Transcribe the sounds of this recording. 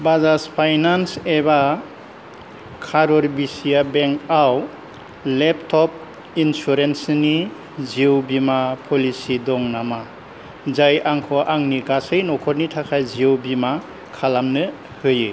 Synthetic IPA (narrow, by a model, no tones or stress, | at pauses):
bazaspʰajnanseba | kʰaɾɔɾbisijabeŋkʰaw | lɛp̚tʰɔp̚ | insuɾensni | ziwbimapʰɔlisidɔŋnama | zajaŋkʰɔʔaŋniɡasɯjnɔkʰɔɾnitʰakʰajziwbima | kʰalamnɯ | hɯjɯ